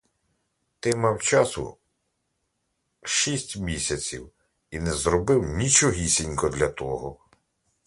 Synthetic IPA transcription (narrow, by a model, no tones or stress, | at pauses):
t̪ɪmɑwt͡ʃɑsʊ̰ | ʃisʲtʲmʲisʲɐt͡sʲḭw | inɛzɾɔbɪwnʲit͡ʃɔɦʲisʲinʲkɔd̪lʲɐt̪ɔɦɔ